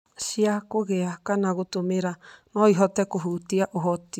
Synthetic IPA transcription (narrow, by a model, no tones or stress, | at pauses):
siakoɣeakanaɣut̪omeɾanoiɦot̪ɛkoɦut̪iaʔoɦot̪i